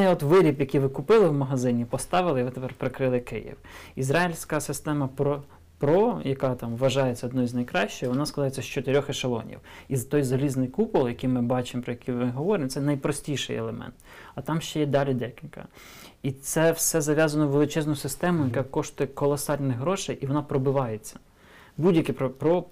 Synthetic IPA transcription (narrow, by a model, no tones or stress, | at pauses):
ɛɔt̪ʋɪɾʲipjɐkijʋɪkʊpɪlˠɪwmɐɦɐzɪnʲipɔst̪ɑʋɪlˠɪʋɪt̪epɛrpɾekɾɪlˠɪkɪ̰jḭwizɾɑilʲsʲkɐsɪst̪ɛmɐpɾɔ | pɾɔjɐkɑt̪ɑmʋːɐʒɑjet͡sʲːɐɔd̪nɔizʲnɐjkɾɑʃt͡ʃɪjʋɔnɑskɐzɑjet͡sʲːɐʃt͡ʃɔt̪eɾʲɔxɪʃɐlˠɔ̰nʲḭwizt̪ɔjzɐlʲiznɪjkupʊlˠjɐkijmɪbɑt͡ʃɪmpɾɔjɐkʲʰijmɪɦɔʋɔɾɪmt̪sɛnɐjpɾɔsʲtʲijʃɪ̰jɛ̰lˠemɛ̰nt̪ɐt̪ɑmʃt͡ʃɛjɛd̪ɑlʲid̪ɛkʲilʲkɐ̰ | it̪sɛwsɛzɐʋʲjɑzɐnɔʋelˠɪt͡ʃɛznʊsɪst̪ɛmʊjɐkɑkɔʃt̪ʊjɛkɔlˠɔsɑlʲnɪxɦɾɔʃɪjʔiʋɔnɑpɾɔbɪʋɑjet͡sʲːɐ̥ | budʲjɐkʲipɾɔpɾɔ